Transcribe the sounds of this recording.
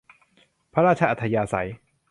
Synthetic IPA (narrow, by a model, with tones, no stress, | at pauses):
pʰa˦ɾaː˥˩t͡ɕʰa˧ʔa˨t̪ʰːa˧jaː˧sa̰˨˦j